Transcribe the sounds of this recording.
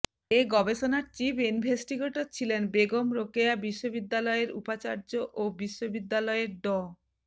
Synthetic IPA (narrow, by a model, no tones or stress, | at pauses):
eɡɔbeʃonaɾt͡ɕipʰinbʱesʈiɡoʈot͡ɕʰilenbeɡomɾokeabiʃːobid̪ːalɔeɾṵpat͡ɕa̰ɾd͡ʑoʔobiʃːobid̪ːalɔeɾɖɔ